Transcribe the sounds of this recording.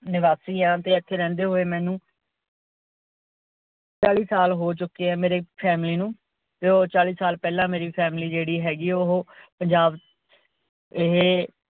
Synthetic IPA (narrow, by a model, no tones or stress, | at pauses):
nɪʋaːsiːãːt̪eːɪt̪ʰːeːɾɛ̃ːnd̪eːɦoːeːmɛ̃ːnũː | t͡ʃaːliːsaːlɦoːt͡ʃʊkːeːɛːmeːɾeːpʰɛːmliːnũː | t̪eːot͡ʃaːliːsaːlpɛːlãːmeːɾiːpʰɛːmliːd͡ʒeːɽiːɦɛːɡiːʊɦoːpəɲd͡ʒaːb | ɪɦeː